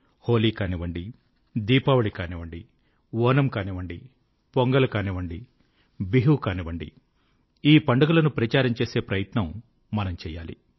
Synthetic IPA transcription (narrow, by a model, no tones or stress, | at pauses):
hoːliːkaːniʋɐɳɖi | d̪iːpaːʋɐɭikaːniʋɐɳɖi | ʋɔːnɐmkaːniʋɐɳɖi | poŋɡɐlɐkaːniʋɐɳɖi | biɦukaːniʋɐɳɖḭ | iːpɐɳɖɐɡɐlɐnupɾɐt͡ʃaːɾɐmt͡ʃe̞ːseːpɾɐjɐt̪nɐmː | ɐnɐmt͡ʃɛːjːa̰ːlḭ